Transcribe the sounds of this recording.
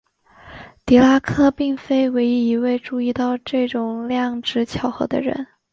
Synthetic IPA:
t̪i˧˥la˥kʰɤ˥˧pi˥˩ŋfe˥ɪwe˧˥ɪi˧˥i˧˥we˥˧ɪʈ͡ʂu˥˧i˥˧t̪ɑ˥˧ʊʈ͡ʂɤ˥˩ʈ͡ʂʊ˨˩ŋljɑ˥˩ŋʈ͡ʂɻ̩˧˥t͡ɕʰjɑ˧˥ʊxɤ̰˧˥d̪ə̰˧ɻə̰˧˥n

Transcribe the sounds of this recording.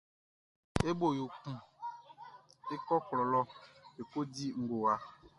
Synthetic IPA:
e˦bo˨jo˨ku˦ | e˦kɔ˦klɔ˨lɔ˦e˨ko˦di˦ŋ̩˨ɡo˨wa˦

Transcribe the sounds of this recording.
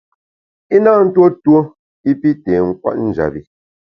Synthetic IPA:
i˦naː˦˨n̩˦two˦two˦ | i˦pi˦tɛː˨ŋ̩˦kwa̰˦tn̩˦˨d͡ʒa̰˨bi˨

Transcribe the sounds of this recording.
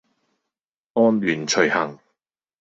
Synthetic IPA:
ɔː˥nlyː˨˩nt͡ʃʰɵ˨˩jhɐ˨˩ŋ

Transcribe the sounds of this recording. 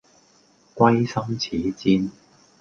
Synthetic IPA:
kʷɐ˥jsɐ˥ŋt͡sʰiː˨˦t͡siː˧˥n

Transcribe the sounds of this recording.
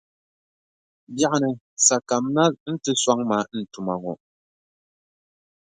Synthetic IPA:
bja˦ʔnɛ˨ | sa˨ka˨mna˦ln̩˦tɨ˦swa˦ŋma˨˦n̩˨tu˨ma˨ŋɔ˨

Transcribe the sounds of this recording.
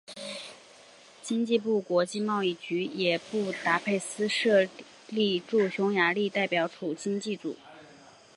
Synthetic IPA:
t͡ɕi˥ŋt͡ɕi˥˧pu˥˩kwɔ˧˥t͡ɕi˥˧mɑ˥˧ʊi˥˩t͡ɕy˧˥jɛ˨˩pu˥˩t̪a˧˥pʰe˥˩ɪsɹ̩˥ʂɤ˥˧ | li˥˧ʈ͡ʂu˥˩ɕjʊ˧˥ŋja˧˥li˥˧t̪a˥˩ɪpjɑ˨˧˥ʊʈ͡ʂʰu˨˩t͡ɕi˥ŋt͡ɕi˥˩t͡sṵ˨˩˦

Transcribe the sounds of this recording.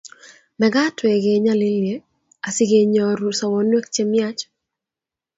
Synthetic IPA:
mɛ˨ɡa˦twe˨ɡe˨˦ɲa˦li˦lje˦ | a˨si˦ɡe˨ɲɔɾu˨sɔ˨wɔnwe˦kt͡ʃe˦mja˦t͡ʃ

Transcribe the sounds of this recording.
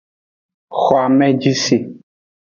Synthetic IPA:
xɔ˨a˨mɛ̃˦d͡ʒi˦si˨

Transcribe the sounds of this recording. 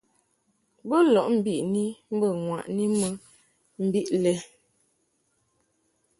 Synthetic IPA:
bə˦lɔ˨ʔm̩˦bi˦ʔni˦m̩˦bə˦˨ŋwa̰˨ʔni˦mə˦ | m̩˨bi˦ʔlɛ˦

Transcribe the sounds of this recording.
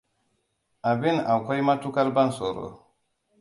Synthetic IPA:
a˨bi˦˨na˨kʷɔ˦jma˦tu˦ka˦ɾba˦nso˨ɾo̰˨

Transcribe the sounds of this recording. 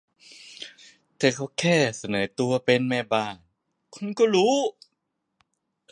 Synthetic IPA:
t̪ɛː˨˩kʰa˧˥˩kʰɛː˥˩sa˧nɤː˩˦t̪u˧ɐpe˧nmɛː˥˩baː˥˩n | kʰu˧nkɔː˥˩ɾuː˦˥

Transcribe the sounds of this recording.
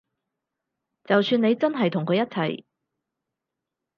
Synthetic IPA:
t͡sɐ˨wsyː˧ne˨˧jt͡sɐ˥nɦɐ˨jt̪ʰʊ˨˩ŋkʰɵ˨˧ɥjɐ˥t̚t͡sʰɐ̰˨˩j

